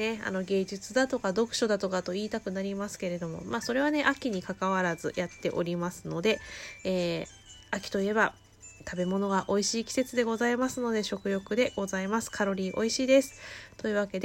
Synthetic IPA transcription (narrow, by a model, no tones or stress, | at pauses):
e̞a̰no̞ɡe̞ːʑɨt͡sɨd̪at̪o̞kad̪o̞kɯ̟̥ɕo̞d̪at̪o̞kat̪o̞iːt̪akɯ̟naɾʲimasɨ̥ke̞ɾe̞d̪o̞mo̞̰maːso̞ɾe̞β̞ane̞ʔakʲiɲ̟ikakaβ̞aɾazɨ̰jat̪ːe̞ʔo̞ɾʲimasɨno̞d̪e̞eː | akʲi̥t̪o̞ie̞ba | t̪ʰabe̞mo̞no̞ɡaʔo̞iɕiːkʲi̥se̞t͡sɨd̪e̞ɡo̞zaimasɨno̞d̪e̞ɕo̞kɯ̟jo̞kɯ̟d̪e̞ɡ̥o̞zaimasɨ̥kʰaɾo̞ɾʲiːʔo̞̰iɕiːd̪e̞sɨ̥t̪o̞iɯ̟βake̞d̪e